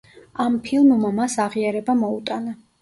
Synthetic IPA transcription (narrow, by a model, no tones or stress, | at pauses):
ampʰilˠmmamasaʁiaɾɛbamɔut̪ʼana